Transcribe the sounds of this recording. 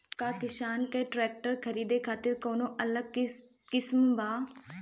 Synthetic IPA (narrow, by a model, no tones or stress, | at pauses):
kakɪʃaːnkeʈɾɛːk̚ʈəɾkʰɐɾiːd̪ekʰaːt̪ɪɾkoːnõʔɐləɡ̚ | kɪsmbaː